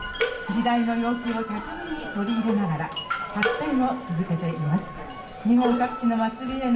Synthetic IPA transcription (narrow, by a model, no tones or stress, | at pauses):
d͡ʑid̪ainojo̞ːkʲiot̪ʲakɯsɯɲ̟it̪o̞ɾʲiiɾɯnaɡaɾahasẽot͡sɨzɨke̞t̪e̞ʔimasɨ̥ | ɲiɦõ̞ŋkakɯ̟̥t͡ɕino̞mat͡sɨɾʲien